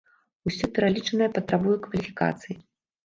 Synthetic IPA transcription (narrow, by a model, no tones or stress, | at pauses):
usʲɔpʲɛɾalʲit͡ʂɐnɨjɐpɐt̪ɾabujɛkvɐlʲifʲika̰t̪sɨji